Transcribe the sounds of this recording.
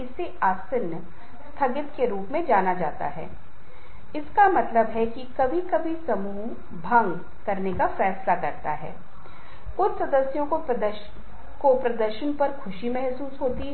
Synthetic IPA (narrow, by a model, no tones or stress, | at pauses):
ɪsːeaːsɪɾnə | st̪ʰɐɡɪt̪keɾuːpmẽd͡ʒaːnad͡ʒaːt̪a̰ɦɛ̰ː | ɪskamɐt̪ləbɦɛkikɐbʱikɐbʱisɐmuː | bʱɐ̃ŋɡ | kɐɾnekafɛːslakɐɾt̪a̰ɦɛ̰ː | kʊt͡ʃʰsɐd̪əsjõkod̪ə | kopɾɐd̪əɾʃənpɐɾxʰʊʃimɛɦsuːsɦoːt̪i